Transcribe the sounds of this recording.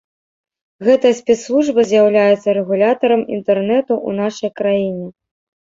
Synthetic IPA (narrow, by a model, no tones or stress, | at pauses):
ɣɛt̪ɐjɐsʲpʲɛt̪slˠuʐbɐzʲjawlʲajɛt̪sːɐɾɛɣulʲat̪ɐɾɐmḭnt̪ɛrnɛt̪uṵn̪aʂɐjkɾajinʲɛ